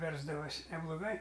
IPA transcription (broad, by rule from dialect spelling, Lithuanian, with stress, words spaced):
ˈʋʲɛrzdɐʋoːsʲɪ nʲɛblˠoːˈɡɐɪ